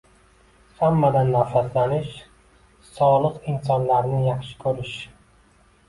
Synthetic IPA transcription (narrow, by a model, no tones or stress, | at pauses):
hamːad̪anːafaslanɪʃ | sɒlˠɨqɪnsɒnlaɾnɪjɑχʃɪ̥kʰɵɾɪʃ